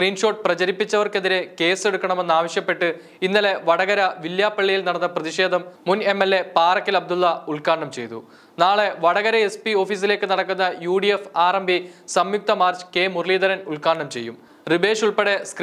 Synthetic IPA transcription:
skriːnʂo̞ːʈ̚prɐt͡ɕɐɾipːit͡ɕːɐʋɐrkeðiɾe̞ke̞ːse̞ɽukːɐɳɐme̞nːaːʋɐɕjɐpːe̞ʈːɨ | inːɐle̞ʋɐɽɐɣɐɾɐʋiljaːpːɐɭːijilnɐɽɐnːɐprɐðiʂe̞ːd̪ʱɐmːune̞melːe̞paːrɐkːɐlɐb̚d̪ulːɐuɭkaːɳɖɐmt͡ɕe̞jt̪ṵ | naːɭe̞ʋɐɽɐɣɐɾɐespio̞ːfiːs̬ileːkːɨnɐɽɐkːunːɐjuːɽiefaːrɐmbʱisɐmjuk̚t̪ɐmaːrt͡ɕɨ̥ke̞ːmurɭid̪ɐɾɐnuɭkaːɳːɖɐmt͡ɕe̞̰jːum | ribe̞ːʂuɭpeɽe̞sk

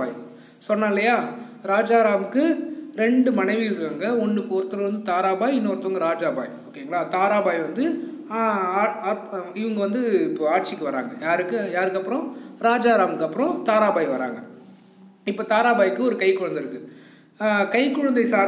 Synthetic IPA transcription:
aː | sɔnːaːlːɐjaː | ɾaːd͡ʒaːɾaːmɯkːɯɾɛɳɖɯmɐnɐɪʋiɾɯkːaːŋɡɐɔɳːɯpoːɾt̪ːɯlɐʋɐnd̪ɯt̪aːɾaːbaːjɪnːoːɾɐt̪ɐʋɐŋɡɐɾaːd͡ʒaːba̰ːjoːkːeːŋɡɐɭaːt̪aːɾaːbaːjʋɐnd̪ɯ | ɐɪʋɐŋɡɐʋɐnd̪ɯɪpːoːaːʈ̚t͡ʃikːɯʋɐɾa̰ːŋɡɐjaːɾɯkːɯjaːɾɯkːɐpːɯɾõɾaːd͡ʒaːɾaːmɯkːɐpːɯɾõt̪aːɾaːbaːjʋɐɾa̰ːŋɡɐ | ɪpːoːt̪aːɾaːbaːjkːɯɔɾɯkɐɪkːʊɻɐnd̪ɪɾɯkːɯ | kɐɪkːʊɻɐnd̪ɐɪsaː

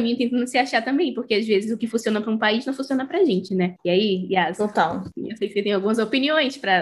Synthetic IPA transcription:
mĩt̪ẽt̪ɐ̃nd̪ʊsɪaʃat̪ɐ̃mbẽj̃poɾkeazvezɪzʊkɪfũsiõnɐpɾɐũpaiʒnɐ̃w̃fũsiõnɐpɾɐʒẽnt͡ʃɪnɛiaiat̪ot̪awḛwsejkɪset̪ẽj̃awɡũmɐzopiniõj̃spɾɐ

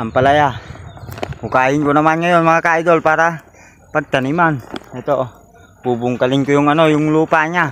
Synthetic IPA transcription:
ampalaja | mukaiŋkunamaɲajɔmakakaid̪ɔlpaɾa | paɡ̚t̪animanat̪ɔ | pubuŋkaliŋkujuŋanojuŋlupaɲa

